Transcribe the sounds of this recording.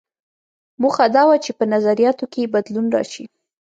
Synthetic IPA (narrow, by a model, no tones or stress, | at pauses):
muxad̪ɑwat͡ʃepənazaɾijɑt̪okebad̪lunɾɑ̰ʃi